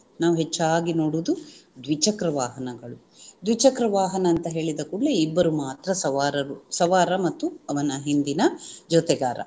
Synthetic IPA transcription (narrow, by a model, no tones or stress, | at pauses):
naːʋuɦet͡ʃːaːɡinoːɽud̪ud̪ʋit͡ʃɐkɾɐʋaːɦɐnɐɡɐɭu | d̪ʋit͡ʃɐkɾɐʋaːɦɐnɐːnt̪ɐɦe̞ːɭid̪ɐkuɭːeibːɐɾumaːt̪ɾɐsɐʋaːɾɐɾusɐʋaːɾɐmɐt̪ːuɐʋɐnɐɦind̪inɐd͡ʒɔt̪ɛɡaːɾɐ̰